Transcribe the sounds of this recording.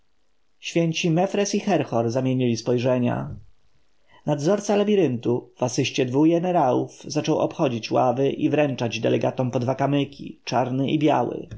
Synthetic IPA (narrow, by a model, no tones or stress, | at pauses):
ɕfʲjɛɲt͡ɕimɛfɾɛsixɛɾxɔɾzamʲjeɲilʲispɔjʐɛɲa̰ | nad̪zɔɾt̪salabʲiɾɘnt̪uv̥asɘɕt͡ɕɛd̪vuɡɛnɛɾawuvzat͡ʂɔwɔ̰pxɔd͡ʑit͡ɕwavɘʔivɾɛnt͡ʂad͡ʑd̪ɛlɛɡat̪ɔmpɔd̪vakamɘkʲʰḭt͡ʂaɾnɘibʲjawɘ̰